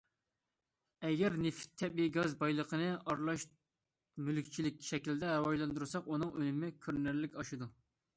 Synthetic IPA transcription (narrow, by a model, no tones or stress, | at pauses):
ɛɡʲɛɾnɪft̪ʰːɛbiiɡɑzbɑjlˠəqʰənɨɑɾlˠɑʃ | mylkʲt͡ʃʰilɪk̚ʲʃɛkʲild̪ɛɾɨwɑʒlˠɑnd̪uɾɨsɑqunɨŋʔølɪmɪkʲʰøɾnæɾlɪkʲɑʃɨd̪u